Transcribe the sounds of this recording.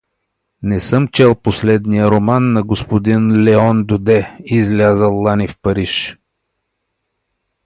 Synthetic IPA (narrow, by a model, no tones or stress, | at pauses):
nɛsɤmt͡ʃɛlˠposlɛd̪nijəɾomanːɐɡospod̪inlɛɔnd̪ʊd̪ɛizlʲazəlˠːanifpɐɾiʃ